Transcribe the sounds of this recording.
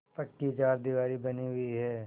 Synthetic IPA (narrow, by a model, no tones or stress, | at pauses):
pɐʈːit͡ʃaːɾd̪iʋaːɾibɐniɦʊiɦɛː